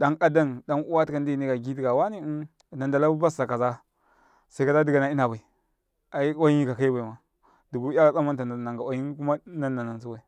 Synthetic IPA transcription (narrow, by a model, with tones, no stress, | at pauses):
da˦na˦da˦nda˦nu˦wa˦tka˦n˦di˦˨ni˦ɡa˨ɡi˦di˦˨ɡa˨wa˦ni˦˨ | na˨nda˨la˦u˦ba˦sa˨ka˨za˦ | sa˦i˦a˦za˦di˦ɡa˨na˨i˦na˨ba˨i˨ | a˨i˦wa˦i˦ka˨ka˦i˦ba˨i˨ma˨ | du˨ɡu˦a˦a˨t͡sa˦ma˦n˦ta˨na˨na˨ŋɡa˨wa˨ji˦nku˦ma˦na˦na˨na˨nsu˦ba˨i˨